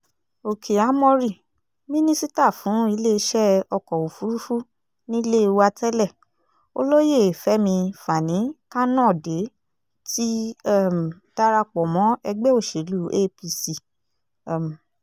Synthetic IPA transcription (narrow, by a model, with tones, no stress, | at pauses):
o˨kʰe˨a˨˦mɔ̃˧ɾi˦˨ | mĩ˦nĩ˦si˦ta˦˨fũ˨˦i˧˦le˦˧ʃɛ˦ɔ˧kɔ˨wo˨fu˨˦ɾu˦fu˦ | nĩ˦i˦le˦˧wa˧tɛ˦lɛ˦˨ | o̰˧lo˦je˦˨fɛ˨˦mĩ˧fa˨nĩ˨˦ka˦nã˦˨de˨˦ | ti˦m˨ | ta˦ɾa˧k͡pɔ˨mɔ̃˨˦ɛ˧ɡ͡bɛ˦o˦˨ʃe˨lu˨˦e˦pi˧si˦˨˦ | m˨